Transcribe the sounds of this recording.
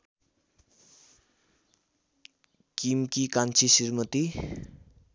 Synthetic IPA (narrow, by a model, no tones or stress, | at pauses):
kimkikant͡ʃʰisirmət̪i